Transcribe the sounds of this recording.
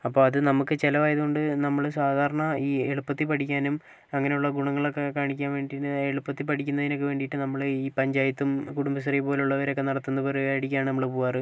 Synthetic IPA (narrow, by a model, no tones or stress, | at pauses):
ɐpːo̞ːɐðɨnɐmukːɨt͡ɕelɐʋaːjɐðuɣoɳɖɨnɐmːɐɭsaːd̪ʱaːɾɐɳɐiːeɭupːɐt̪ːipɐʈʰikʲːaːnum | ɐŋːɐne̞juɭːɐɡuɳɐŋːɐɭokːekaːɳikʲːaːnʋe̞ːɳɖiɨeɭupːɐt̪ːipɐʈʰikʲːunːɐðinokːeʋeːɳɖiʈːɨnɐmːɐɭiːpɐɲd͡ʑaːjɐt̪ːumkuɽumbɐsɐrijpo̞ːluɭːɐʋɐɾo̞kːe̞nɐɽɐt̪ːunːɐpoːɾaːjiɽik̬ʲːaːɳɨnɐmːɐɭepuːaːrɨ